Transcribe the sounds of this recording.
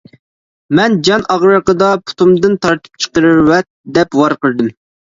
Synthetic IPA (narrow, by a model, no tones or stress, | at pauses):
mɛnd͡ʒɑnʔɑʁɾəqəd̪ɑpʰu̥t̪umd̪ɨnt̪ɑɾt̪ʰɨ̥p̚t͡ʃʰə̥qəɾɨɾwɛt̪̚d̪ɛpwɑɾqəɾd̪ɨm